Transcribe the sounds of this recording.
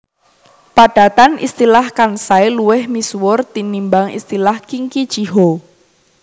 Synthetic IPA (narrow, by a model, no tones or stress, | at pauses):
paɖ̥a̤t̪anʔḭst̪ilahkansaeluwɪhmiswʊrt̪inimbaŋḭst̪ilahkiŋkid̥ʒ̥iɦo